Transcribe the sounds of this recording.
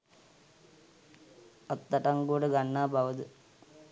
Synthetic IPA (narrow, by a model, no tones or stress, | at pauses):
ɐt̪ːɐʈɐŋɡuːɽeɡɐɳːaːbʱɐʋɐd̪ɨ